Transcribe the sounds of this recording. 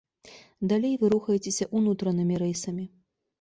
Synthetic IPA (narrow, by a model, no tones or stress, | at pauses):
d̪alʲejvɨɾuxɐjet͡sʲesʲɐʔunut̪ɾɐnɨmʲiɾɛjsɐmʲi